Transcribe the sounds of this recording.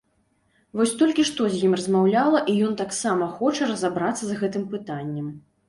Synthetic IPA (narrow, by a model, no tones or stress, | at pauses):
vɔsʲt̪ɔlʲkʲiʂt̪ɔzʲjimrɐzmawlʲalˠɐʔijɔnt̪aksamɐxɔt͡ʂɐɾɐzabɾat̪sːɐzɣɛt̪ɨmpɨt̪anʲːɛm